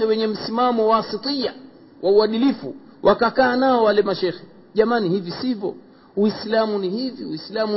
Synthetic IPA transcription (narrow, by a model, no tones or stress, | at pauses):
ɛwɛɲɛm̩simamɔwaːsitia | wʔauwaɗilifṵ | wʔakakaːnaɔwalɛmaʃɛxɛ | ʄamanihivisivɔ̰ | wislamunihiviwislamu